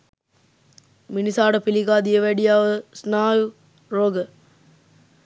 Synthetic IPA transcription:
minisaːɖəpiliɡaːd̪ijəʋæɖijaːʋəsnaːju | roːɡə

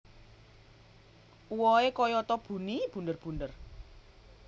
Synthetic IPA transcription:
uwɔekɔjɔt̪ɔb̥ṳnib̥ṳnd̪ərb̥ṳnd̪ər

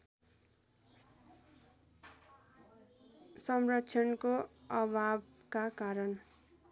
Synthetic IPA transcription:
sʌmrʌkt͡sʰjʌnkoʌbʱab | kakaɾʌn

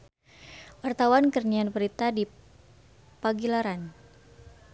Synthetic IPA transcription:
wart̪awankərnianpəɾit̪adi | paɡilaɾan

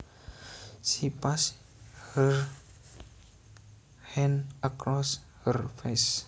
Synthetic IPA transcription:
ʃipas | həɹ | hɛ̃nʔəkɾɔs | hərfes

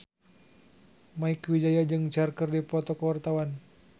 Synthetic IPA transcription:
maikwid͡ʒajad͡ʒɨŋt͡ʃarkərdipɔt̪ɔkəwart̪awan

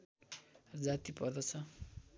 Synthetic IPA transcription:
rʌd͡zat̪ipʌrd̪ʌt͡sʰʌ

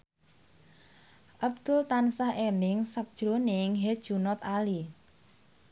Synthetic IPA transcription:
ʔabd̪̥ʊlt̪ansahʔelɪŋsək̚d̥ʒ̥ɾonɪŋɦed̥ʒ̥ṳnɔt̪ali

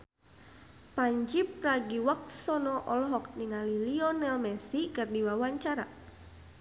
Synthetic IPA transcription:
paɲd͡ʒip̚raɡiwak̚sɔnɔʔɔlɔɦɔk̚niŋaliliɔnɛlmɛsikɨrdiwawaɲt͡ʃaɾa

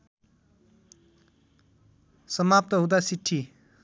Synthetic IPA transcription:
sʌmap̚t̪ʌɦũd̪asiʈʰːi

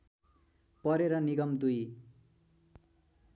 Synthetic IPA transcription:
pʌɾeɾʌniɡʌmd̪uj

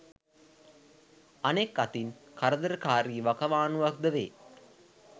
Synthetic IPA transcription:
anekːat̪inkaɾəd̪əɾəkaːɾiːʋakɐʋaːnuʋak̚d̪əʋḛː

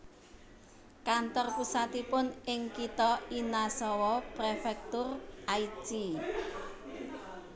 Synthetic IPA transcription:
kant̪ɔrpusat̪ipʊnɪŋkit̪ɔinasɔwɔpɾefɛk̚t̪ʊrʔai̥t͡ʃi

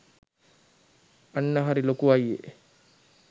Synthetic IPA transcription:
anːəɦaɾilokuʋajːḛ

